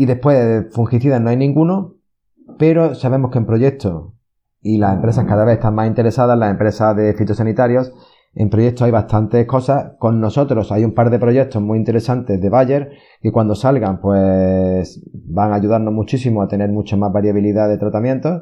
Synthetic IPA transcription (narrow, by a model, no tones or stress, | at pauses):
iðe̞hpwefuŋxiθiðanoajnĩŋɡuno | pe̞ɾo̞saβe̞mo̞hkempɾo̞ʝe̞k̚t̪ʰo̞ | ilase̞mpɾe̞s̬ahkaðaβe̞θest̪aŋmasint̪e̞ɾe̞saðalase̞mpɾe̞saðe̞fit̪osanit̪aɾjo̞s | e̞̰mpɾoʝe̞k̚t̪oajβast̪ant̪e̞hko̞sako̞nːo̞so̞t̪ɾo̞sajumpaɾðe̞pɾo̞ʝe̞k̚t̪o̞zmuint̪e̞ɾe̞sant̪e̞zðe̞βaʝe̞ɾ | kekwand̪o̞salɣampwe̞sbaŋaʝuðaɾno̞ɦmut͡ʃisimoat̪ene̞ɾmut͡ʃamazβaɾjaβ̞iliðaðe̞t̪ɾat̪amje̞nt̪o̞